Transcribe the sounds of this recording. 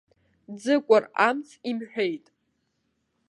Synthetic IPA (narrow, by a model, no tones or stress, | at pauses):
d͡zɨkʷʼara̰mt͡sʰʼimħᶣejtʼ